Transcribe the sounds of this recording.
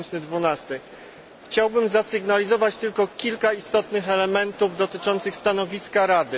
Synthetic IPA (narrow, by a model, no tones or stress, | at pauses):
t͡ɕnɘd̪vunast̪ɘ | xt͡ɕawbɘmzasɘɡnalʲizɔvat͡ɕt̪ɘlkɔkʲilkaist̪ɔt̪nɘxɛlɛmɛnt̪uvd̪ɔt̪ɘt͡ʂɔnt̪sɘxst̪anɔvʲiskaɾad̪ɘ